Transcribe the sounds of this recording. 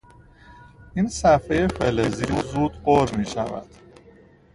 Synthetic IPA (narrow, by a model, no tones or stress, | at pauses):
iːnsæfeje̞feleziɾzuːd̪ɢoɾmiːʃævæ̰d̪̥